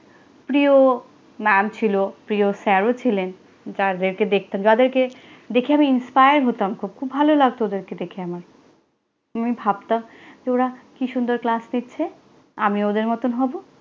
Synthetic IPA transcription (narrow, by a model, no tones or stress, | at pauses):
pɾio | mɛmt͡ɕʰilopɾiosɛɾot͡ɕʰilen | d͡ʑad̪eɾked̪ek̚ʰt̪amd͡ʑad̪eɾke | d̪ekʰiamiinspajaɾɦot̪amkʰub̚kʰubːʱalolaɡ̚t̪ood̪eɾked̪ekʰeamaɾ | amibʱab̚t̪amd͡ʑeoɾakiʃund̪oɾklasnit̪ːɕʰe | amiod̪eɾmɔt̪onɦɔbo